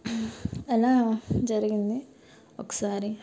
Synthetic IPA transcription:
ɛlːad͡ʒɐɾɡind̪i | okːɐ̥saːɾi

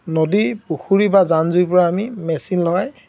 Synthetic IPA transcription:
nodipuxuɹibazanzujpɔɹaːmimɛsinlɔj

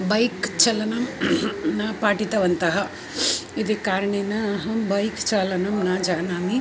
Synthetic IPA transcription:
bɐjkt͡ʃɐlɐnɐmnɐpaːʈit̪ɐʋɐnt̪ɐɦɐ | id̪ekaːɾɐɳeːnɐɦɐbɐjkt͡ʃaːlɐnɐmnɐd͡ʒaːnaːmi

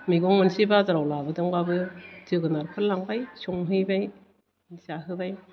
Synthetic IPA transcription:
miɡɔŋmɯnsibazaɾawlabɯdɯŋbabɯtɯɡɯnaɾpʰɯlːaŋbajsuŋɦɯjbaj | nsaɦɯbaj

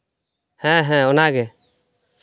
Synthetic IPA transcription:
hɛ̃ɦɛ̃ɔnaɡɛ

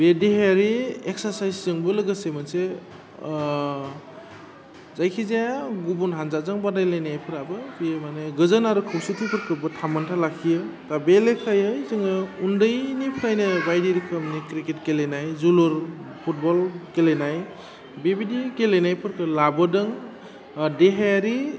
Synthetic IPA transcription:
bedeɦeɾiek̚saɾsajszɯŋbɯlɯɡɯsemanse | zajkʰizeaɡubunɦanzazɯŋbadajlajnajpʰɯɾabɯpijemaneɡɯzənaɾukʰɯwsitʰipʰɯɾkʰɯbɯtʰamantʰalakʰijɯtabelekʰajɯizɯŋɯundɯjnipʰɾajnɯbajdiɾikʰɯmnikɾiket̚kelenajzuluɾ | pʰut̚bɔlkelenaj | bebidikelenajpʰɯɾkʰɯlabɔdɯŋ | deɦajaɾi

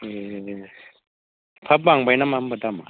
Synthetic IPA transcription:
e | pʰap̬̚baŋbajnamam̩bat̪ama

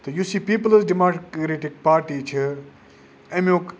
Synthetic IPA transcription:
t̪ɐjusiːpiːpələsɖimaːkɾeʈik̚paːɾʈit͡ʃʰi | emok

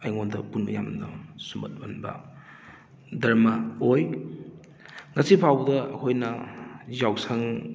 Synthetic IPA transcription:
ɐjŋondɐpunɐjamnɐsumbɐ̰t̚bɐnbɐ̰ | dɐɾmɐoj | ŋɐsipʰawbdɐɐkʰojnɐzawsɐŋ

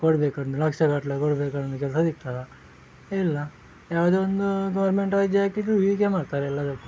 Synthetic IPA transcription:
koɽbeːkɐnd̪ulɐkʂɐkaʈlekoɽbeːkɐnd̪ukɛlsɐd̪ik̚t̪aːɡa | ilːɐ | jaːʋad̪eːond̪uɡɐʋɐɾmeɳʈaːid͡ʒakiʈuid̪ikemaːɖt̪aːɾeɛlːɐd̪ɐkːu

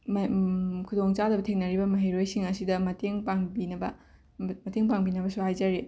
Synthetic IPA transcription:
mkʰudoŋt͡ʃadɐbɐtʰeŋnɐɾibɐmɐɦɐjɾojsiŋɐsidɐmɐtʰeŋpaŋbinɐbɐ | mɐtʰeŋpaŋbinɐbɐsuhajzɐɾi

